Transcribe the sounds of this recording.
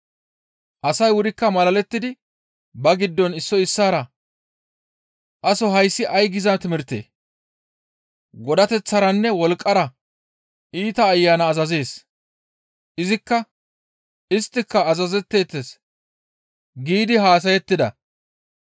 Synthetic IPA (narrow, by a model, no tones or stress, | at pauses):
ʔɐsɐjwʊɾɪkːɐmɐlɐlɛt̪ːɪd̪ɪ | bɐɡɪd̪ːɔnɪsːɔɪsːaːɾɐ | ʔɐsɔɦɐjsːɪʔɐjɡɪzɐt̪ɪmɪɾt̪ːḛː | ɡɔd̪ɐt̪ɛt͡sːɐɾɐnːɛwɔlkʼːɐɾɐ | iːt̪ɐːjːaːnɐːzɐze̞ːs | ʔɪzɪkːɐ | ɪst̪ːɪkːɐːzɐzɛt̪ːe̞ːt̪ːes | ɡiːd̪ɪɦaːs̬ɐjɛt̪ːɪd̪ɐ̰